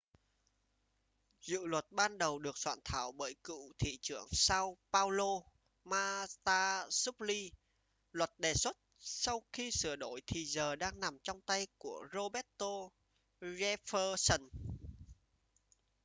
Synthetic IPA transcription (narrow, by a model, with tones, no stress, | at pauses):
zɨ̰˧˨lwə˨˩t̚ɓaː˧nɗə˨˩wɗɨ˨˩ək̚swa̰ː˧˨nt̪ʰaː˧˩˦wɓəː˧˩jkɨ̰˧˨t̪ʰḭ˧˨t͡ɕɨ˧˩əŋsaː˧wpaː˧wlo˧ | maː˧t̪aː˧su˦˥p̚li˧ | lwə˨˩t̚ɗe˨˩swə˦˥t̚sa˧wxi˧sɨ˧˩əɗo˨˦jt̪ʰi˨˩zəː˨˩ɗaː˧ŋna˨˩mt͡ɕɔ˧wŋ͡mt̪a˧jku˧˩əzo˧ɓɛ˦˥t̚t̪o˧ | zɛ˧fəː˧sə˨˩n